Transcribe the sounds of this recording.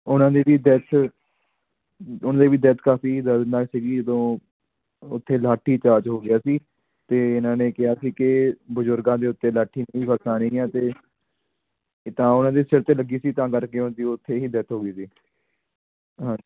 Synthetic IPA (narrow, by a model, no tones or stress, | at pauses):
ʊnãːd̪eːʋiːd̪ɛt̪ʰ | ʊnd̪eːʋiːd̪ɛt̪ʰkaːfiːd̪əɾnaːksiːɡiːd͡ʒəd̪õː | ʊt̪ʰːeːlaːʈʰːiːt͡ʃaːt͡ʃɦoːɡɪjaːsiː | t̪eːɪnãːneːkɪɦaːsiːkɪbəzʊɾɡãːd̪eːʊt̪ːeːlaːʈʰːiːnːiːbəsãːneĩːɛ̃ːt̪eː | t̪ãːʊnãːd̪eːsɪɽt̪eːləɡiːsiːt̪ãːkəɾkeːʊnd̪iːʊt̪ʰːeːɦiːd̪ɛt̪ʰɦoːɡiːsiː | ɦãː